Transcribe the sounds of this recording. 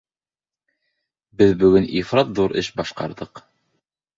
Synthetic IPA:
bɘðbɵ̆ɡɵnifɾɑt̪ðuɾɘ̰ʃbɑʃqɑ̰ɾðɤq

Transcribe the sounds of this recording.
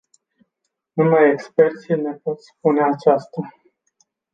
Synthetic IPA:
numajekspe̞rt̪sine̞po̞t̪spune̞at͡ʃast̪a

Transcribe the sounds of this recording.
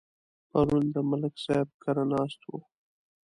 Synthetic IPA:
paɾund̪əmalɪksab̚kaɾanɑst̪wo̰

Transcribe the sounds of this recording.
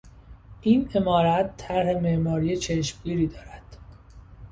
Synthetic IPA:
ʔiːne̞mɒːɾæt̪ʰːæɾhe̞me̞ʔmɒːɾiːjet͡ʃʰeʃmɡiːɾiːd̪ɒːɾæd̪̥

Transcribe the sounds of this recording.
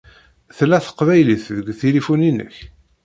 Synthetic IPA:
θlːæθə̥qvæjliθðəɡʷθilifuninə̰ç

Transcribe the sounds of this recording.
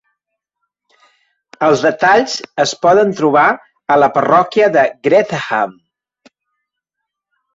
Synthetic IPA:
əlˠzðət̪aʎzəspɔðənt̪ɾuβ̞a | ələpərɔkijəðəɡɾɛt̪xa̰m

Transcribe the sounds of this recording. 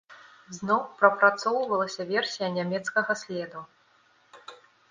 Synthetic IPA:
znɔwpɾɐpɾat̪sɔwvɐlˠɐsʲɐvʲɛrsʲijɐnʲamʲɛt̪skɐɣɐsʲlʲɛd̪u

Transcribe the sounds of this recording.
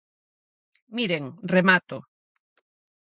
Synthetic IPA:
miɾeŋremat̪o

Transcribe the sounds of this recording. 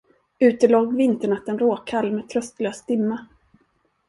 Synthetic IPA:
ʉ̟ːt̪əloːɡvɪnt̪əɳat̪ːənɾoːkʰalːmɛːt̪ʰɾœst̪løːsd̪ɪmːa

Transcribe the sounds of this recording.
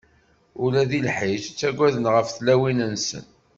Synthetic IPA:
ʊlæðilħiʃt͡sːæɡʷːæðənʁəfθlæwinənsə̰n

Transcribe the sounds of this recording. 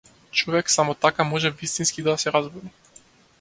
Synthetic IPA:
t͡ʃɔvɛksamɔt̪akamɔʒɛvist̪inskid̪asɛɾazbɔni

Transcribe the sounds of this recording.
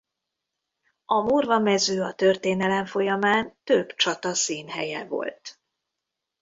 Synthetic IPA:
ɒmurvɒmɛzøːɒt̪ørt̪eːnɛlɛɱfo̞jɒmaːnt̪øbt͡ʃɒt̪ɒsiːnɦɛ̰jɛvo̞̰lt̪

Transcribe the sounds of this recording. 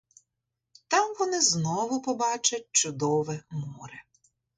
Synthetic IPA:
t̪ɑmʋɔnɪznɔʋʊpɔbɑt͡ʃɐt̚ʲt͡ʃʊd̪ɔʋɛmuɾɛ

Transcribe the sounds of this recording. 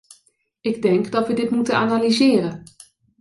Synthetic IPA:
ɪɡdɛŋkdɔtʋədɪtmutənanalizɪːəɾə

